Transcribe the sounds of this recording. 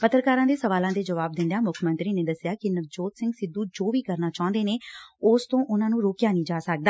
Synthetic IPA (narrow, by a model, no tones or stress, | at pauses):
pət̪ɾkaːɾãːd̪eːsəʋaːlãːd̪eːd͡ʒəʋaːb̚d̪ɪ̃nd̪ejaːmʊkʰmə̃nt̪ɾiːneːd̪əsjaːkɪnəkd͡ʒoːt̪sɪ̃ŋɡsɪd̪ːuːd͡ʒoːʋiːkəɾnaːt͡ʃaːʊ̃nd̪eːneːʊst̪õːʔʊnãːnũːɾoːkjaːnĩːd͡ʒaːsək̚d̪aː